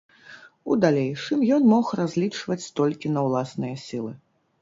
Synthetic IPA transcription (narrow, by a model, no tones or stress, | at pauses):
ud̪alʲejʂɨmjɔnmɔxrazʲlʲit͡ʂvɐt͡sʲst̪ɔlʲkʲinɐwlˠasnɨjɐsʲilˠɨ